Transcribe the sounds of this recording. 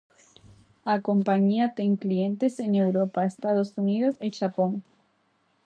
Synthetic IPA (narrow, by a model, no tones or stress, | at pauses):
ako̞mpaɲiat̪eŋklient̪esene̞wɾopaest̪aðosuniðoseʃapoŋ